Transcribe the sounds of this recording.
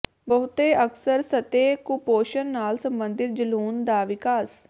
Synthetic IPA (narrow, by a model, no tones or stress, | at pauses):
bəɦʊt̪eːʔəksəɾsət̪eːkupoːʃənːaːlsəmbənd̪ɪt̪̚d͡ʒəluːnd̪aːʋɪkaːs